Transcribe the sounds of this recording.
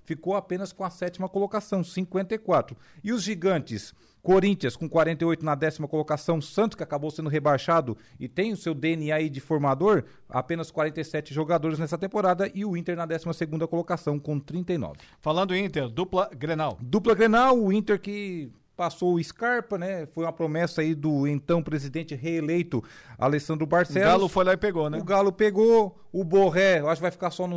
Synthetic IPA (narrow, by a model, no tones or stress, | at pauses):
fikowapẽnɐskõɐsɛt͡ʃimɐkolokasɐ̃w̃sĩkwẽnt̪ejkwat̪ɾʊ | ɪʊzʒiɡɐ̃t͡ʃɪs | koɾĩnt͡ʃiɐ̃skõkwaɾẽnt̪ɐjojt̪ʊnɐd̪ɛsimɐkolokasɐ̃w̃sɐ̃t̪ʊskɪakabowsẽnd̪ʊɦebajʃad̪ʊ | ɪt̪ẽj̃ʊsewd̪eeniaid͡ʒɪfoɾmad̪oɾ | a̰pẽnɐskwaɾẽnt̪ejsɛt͡ʃɪʒoɡad̪oɾɪznɛsɐt̪ẽmpoɾad̪ɐʔɪʊĩnt̪eɾnɐd̪ɛsimɐseɡũnd̪ɐkolokasɐ̃w̃kõt̪ɾĩnt̪ejnɔ̰vɪfalɐ̃d̪ʊĩnt̪eɾd̪uplɐɡɾenawd̪uplɐɡɾenawʊĩt̪eɾkɪ | pasowɪskaɾpɐnɛfojũmɐpɾomɛsɐaid̪ʊẽnt̪ɐ̃w̃pɾezid̪ẽnt͡ʃɪɦeelejt̪ʊ | a̰lesɐ̃nd̪ɾʊmaɾsɛɡalʊfojlaɪpeɡonɛʊɡalʊpeɡo | ʊboɦɛwaʃʊkvajfi̥kasɔnʊ